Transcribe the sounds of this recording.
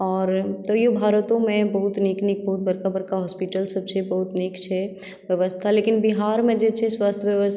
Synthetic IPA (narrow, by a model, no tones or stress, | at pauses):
ɔːɾt̪ojobʱaːɾət̪õmẽbɐɦʊt̪neːkneːk̚bɐɦʊt̪̚bɐɾkabɐɾkaɦɔːspiʈəlsɐb̚t͡ʃʰebɐɦʊt̪neːkt͡ʃʰɛ | ʋjəʋəst̪ʰaleːkɪnbiɦaːɾmẽd͡ʒet͡ʃʰeswaːst̪ʰjəʋjəʋəsʰ